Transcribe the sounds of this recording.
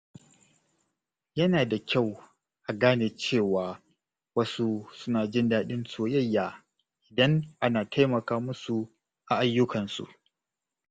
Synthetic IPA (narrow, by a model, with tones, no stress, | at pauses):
jɐ˦naː˨da˨kʲa˦˨w | ʔa˨ɡaː˦neː˨t͡ʃeː˦˨waː˨ | wɐ˦su˦sʊ˦naː˨d͡ʒɪ˦ndaː˦ɗɪ˦nsoː˨jɐ˦˨jːaː˨ | ʔɪ˨dɐ˦ŋʔa˦naː˨tʰa˦jmɐ˨kaː˦mʊ˦su˨ | ʔa˨ʔa˨jːʊ˦kɐ˨nsṵ˨ʔ